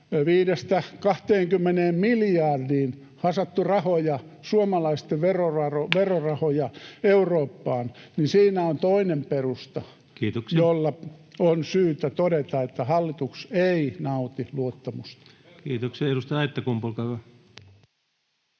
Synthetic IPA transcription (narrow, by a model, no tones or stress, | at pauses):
ʋiːdest̪ækɑht̪eːŋkymːeneːmmiljɑrdiːn | hɑsɑt̪ːurɑhojɑsuomɑlɑist̪eʋʋerorɑroʋerorɑhojɑeuroːpːɑːnninsiːnæont̪oinemperust̪ɑ | kiːt̪oksjolːɑonsyːt̪æt̪odet̪ɑet̪ːæhɑlːit̪ukseinɑut̪iluot̪ːɑmust̪ɑ̥ | kiːt̪oksiɑeɾust̪ɑɑet̪ːækumpulkɑæ